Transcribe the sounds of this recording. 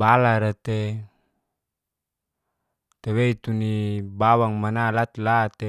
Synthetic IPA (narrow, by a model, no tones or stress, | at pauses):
balaɾat̪e | t̪eweit̪unibawaŋmanalat̪lat̪e